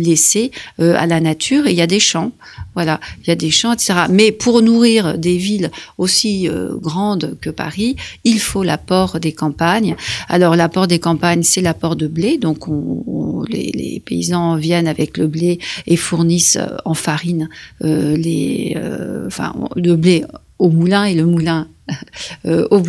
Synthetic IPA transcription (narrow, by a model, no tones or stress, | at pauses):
leseøa̰lanat̪ʰyʁeiljad̪eʃɑ̃ | vwalailjad̪eʃɑ̃et̪se̥t̪eʁamɛpʰuʁnuʁiʁd̪evilosiø̰ɡʁɑ̃d̪kəpa̰ʁiilfolapɔʁd̪ekɑ̃paɲa̰lɔʁlapɔʁd̪ekɑ̃paɲsɛlapɔʁd̪əbled̪ɔ̃kɔ̃lḛlḛpḛizɑ̃vjɛnavɛkləbleefuʁnisɑ̃faʁinølḛø̰ɑ̰̃fɛ̰̃ləble | omulɛ̃eləmulɛ̃ | øob